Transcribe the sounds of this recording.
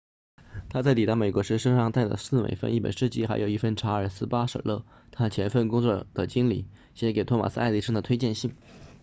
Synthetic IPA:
t̪ʰa˥t͡sa˥˩ɪt̪i˨˩t̪ɑ˥˩me˨˩ɪkwɔ˧˥ʂɻ̩˥ʂə˥ʂɑ˥ŋt̪a˥˩ɪd̪ə̰˧sɹ̩˥˩mḛ˧˩ɪfə̰˥˧ni˥˩pə̰˨˩nʂɻ̩˥˩t͡ɕi˥˩xa˧˥ɪjo˨˩ʊi˥˩fə˥˩nʈ͡ʂʰa˧˥ə˞˨˩sɹ̩˥pa˥ʂə̰˨˩lɤ̰˥˩ | t̪ʰa˥ə˨˩t͡ɕʰjɛ˧˥nfə˥˩nkʊ˥ŋt͡swɔ˥˩d̪̥ə˩t͡ɕi˥ŋli˨˩ | ɕjɛ˧˥ke˨˩ɪt̪ʰɔ˥ma̰˨˩sɹ̩˥˧ɪli˥˩ʂɤ˥ŋd̪ə˨t̪ʰwe˥ɪt͡ɕjɛ˥˧nɕi˥˩ŋ

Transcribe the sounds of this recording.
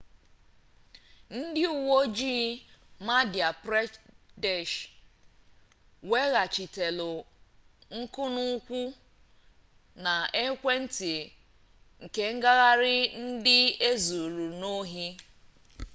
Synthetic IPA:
n̩˦dɪ˦u˨wo˦d͡ʒiː˦ma˦dja˨pɾe˦de˨ʃ | we˦ɣa˨t͡ʃi˨te˨lʊ˨ | ŋ̩˦kʊ˦nʊ˦kʷu˦ | na˨e˦kʷe˦n̩˦ti˨ | ŋ̩˨ke˦ŋ̩˦ɡa˦ɣa˦ɾɪ˦n̩˦dɪ˦e˦zu˨ɾu˨no˦ɦi˦

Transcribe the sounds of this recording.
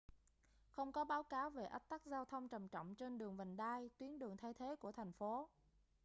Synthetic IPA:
xə˧wŋ͡mkɔ˨˦ɓaː˨˦wkaː˨˦wve˨˩ʔə˦˥k̚t̪a˦˥k̚zaː˧wt̪ʰə˧wŋ͡mt͡ɕə˨˩mt͡ɕɔ̰˧˨wŋ͡mt͡ɕe˧nɗɨ˨˩əŋvə˨˩ŋɗaː˧jt̪wi˨˦ənɗɨ˨˩əŋt̪ʰa˧jt̪ʰe˨˦ku˧˩ət̪ʰa˨˩jŋ̟fo˨˦

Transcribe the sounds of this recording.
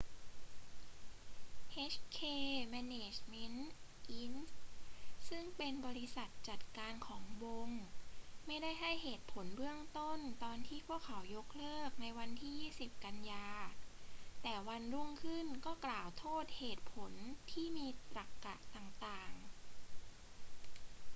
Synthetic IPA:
ʔeː˦˥t͡ɕkʰeː˧mɛː˧neː˨˧˩t͡ɕme˦˥nʔi˦˥ns | sɯ˥˩ŋpe˧nbɔː˧ɾi˧˥sa˨˩t̪̚t͡ɕa˨˩t̪̚kaː˧nkʰɔː˩˦ŋbo˧ŋma˥˩jda˥˩jɦa˥˩jheː˨˩t̪̚pʰo˩˦nbɯ˥˩əŋt̪o˥˩nt̪ɔː˧nt̪ʰiː˥˩pʰu˥˩əkʰa˩˦wjo˦˥k̚lɤː˥˩k̚na˧jwa˧nt̪ʰiː˥˩jiː˥˩si˨˩p̚ka˧njaː˧ | t̪ɛː˨˩wa˧nɾu˥˩əŋkʰɯ˥˩nkɔː˥˩klaː˨˩wt̪ʰoː˥˩t̪̚heː˨˩t̪̚pʰo˩˦nt̪ʰiː˥˩miː˧pɾa˨˩kːa˨˩ʔt̪aː˨˩ŋt̪aː˨˩ŋ

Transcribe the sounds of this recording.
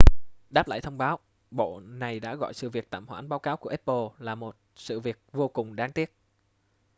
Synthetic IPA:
ɗaː˦˥p̚la̰ː˧˨jt̪ʰə˧wŋ͡mɓaː˨˦w | ɓo̰˧˨na˨˩jɗa̰ː˧˥ɣɔ̰˧˨jsɨ̰˧˨vi˨˩ək̚t̪aː˧˨mhwa̰ː˧˥nɓaː˨˦wkaː˨˦wku˧˩əʔɛ˦˥p̚po˧laː˨˩mo˨˩t̚sɨ̰˧˨vi˨˩ək̚vo˧kʊ˨˩ŋ͡mɗaː˨˦ŋt̪i˦˥ət̚

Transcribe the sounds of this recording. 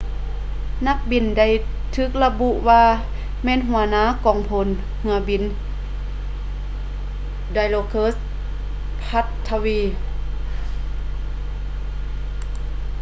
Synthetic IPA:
na˧˦k̚bi˨˩nda˧˩j | t̪ʰɯː˧˩k̚la˧bu˧ʔwaː˧ | mɛː˧˨nɦu˨˩˦ɐnaː˧˥˨kɔː˨˩ŋpʰo˧˩n | hɯ˧˦ɐbi˨n | da˧jloː˧kʰɤː˧˥˨s | pʰa˧˥t̪ʰːa˧wiː˧

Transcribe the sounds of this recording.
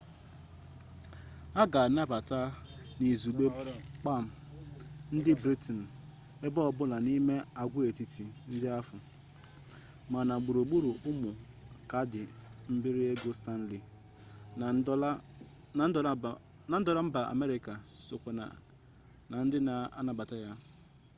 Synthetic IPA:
a˦ɡa˨na˦ba˨ta˦ni˨zu˨ɡ͡be˦k͡pa˦˨m̩˨ | n̩˦dɪ˦bɾi˦tn̩˨ | e˦bɔ˦ɔ˨bʊ˦la˨ni˦me˦a˨ɡʷʊ˦e˨ti˦ti˨n̩˦dɪ˦a˦fʊ˨ | ma˨na˨ɡ͡bu˨ɾo˨ɡ͡bu˦ɾu˨ʊ˦mʊ˨ | ka˨˦dɪ˨m̩˦bɪ˦ɾɪ˦e˦ɡo˦sta˦n̩˦li˨˦ | a˨n̩˦˨˦ | na˨n̩˦dɔ˨ɾa˦m̩˦ba˨a̰˨me˦ɾɪ˨ka˨ | sʊ˨kʷo˨na̰˨ | na˨n̩˦dɪ˦na˨a˦na˦ba˨ta˦ja˦

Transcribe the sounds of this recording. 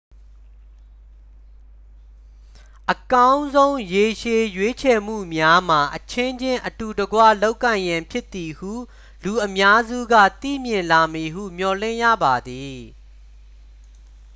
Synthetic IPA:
ʔəkã˦ʊ̃nzõ˦ʊ̃je˨ʃe˨jwe˦t͡ɕʰɛ˨m̥ṵ˦˨mja˦m̥a˨ʔət͡ɕʰɪ̃˦ɲd͡ʑɪ̃˦ʔətu˨dəɡwa̰˦˨lo˦ʊkːã˨ɪ̃jã˨mpʰjɪ˦t̪i˨hṵ˦˨ | lu˨ʔəmja˦zṵ˦˨ɡä̰˦˨t̪ḭ˦˨mjɪ̃˨nla˨mi˨ɦṵ˦˨m̥jɔ˨lɪ̰̃˦˨jä̰˦˨ba˨d̪i˨

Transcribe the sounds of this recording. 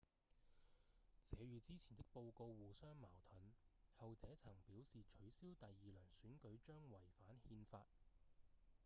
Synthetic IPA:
t͡sʰɛː˨˧ɥyː˨˧t͡siː˥t͡sʰiː˨˩nt̪ɪ˥k̚po˧wko˧wwuː˨˩sœː˥ŋmaː˨˩wt̪ʰɵ˨˥nhɐ˨wt͡sɛː˨˥t͡sʰɐ˨˩ŋpiː˨˥wsiː˨t͡ʃʰɵ˨˥ɥsiː˥wt̪ɐ˨jːiː˨lœː˨˩ŋsyː˨˥nkɵ˨˥ɥt͡ʃœː˥ŋwɐ˨˩jfaː˨˥nhiː˧nfa̰ː˧t̚

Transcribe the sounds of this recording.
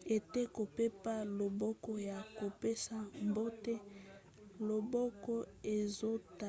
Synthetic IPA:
e˨te˦ko˨pe˦pa˦lo˨bɔ˦kɔ˦ja˨ko˨pe˦sa˨mbo˦tɛ˦ | lo˨bɔ˦kɔ˦e˨zo˦ta˨

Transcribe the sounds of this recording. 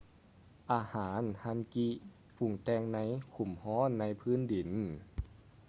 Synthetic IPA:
ʔaː˧haː˩˦nha˧˥nki˧ | pʰu˧˩ŋt̪ɛː˧ŋna˧˥˨jkʰu˧˩mhɔː˧˥˨nːa˧˥˨jpʰɯː˧˥˨ndi˨˩˦n

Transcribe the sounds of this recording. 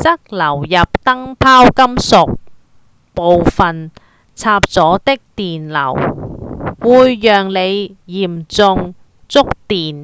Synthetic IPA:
t͡sɐ˥k̚lɐ˨˩wjɐ˨p̚t̪ɐ˥ŋpʰaː˥wkɐ˥msʊ˨k̚ | po˨wfɐ˨n | t͡sʰaː˧p̚t͡sɔː˨˥t̪ɪ˥k̚t̪iː˨nlɐ̰˨˩w | wuː˨˧jːœː˨ŋle˨˧jjiː˨˩mt͡sʊ˧ŋ | t͡sʊ˥k̚t̪iː˨n

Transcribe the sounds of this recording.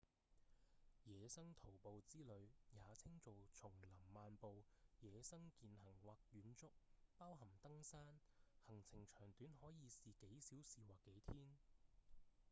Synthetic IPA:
jɛː˨˧sɐ˥ŋt̪ʰo˨˩wpo˨wt͡siː˥lɵ˨˧ɥjaː˨˧t͡sʰɪ˥ŋt͡so˨wt͡sʰʊ˨˩ŋlɐ˨˩mmaː˨npo˨wjɛː˨˧sɐ˥ŋkiː˨nɦɐ˨˩ŋwaː˨˧k̚jyː˨˥nt͡sʊ˥k̚paː˥wɦɐ˨˩mt̪ɐ˥ŋsaː˥nhɐ˨˩ŋt͡sʰɪ˨˩ŋt͡ʃʰœː˨˩ŋt̪yː˨˥nhɔː˨˥jiː˨˧siː˨ke˨˥jsiː˨˥wsiː˨waː˨kːe˨˥jt̪ʰiː˥n

